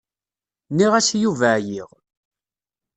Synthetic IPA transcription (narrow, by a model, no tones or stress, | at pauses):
niʁæsjuvæjiʁ